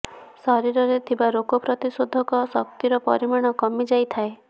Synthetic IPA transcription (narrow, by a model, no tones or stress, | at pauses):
sɔɾiɾɔɾet̪ʰibaɾokɔpɾɔt̪isod̪ʱɔkɔsɔkt̪iɾɔpɔ̰ɾimaɽ̃ɔkɔmid͡ʒajt̪ʰae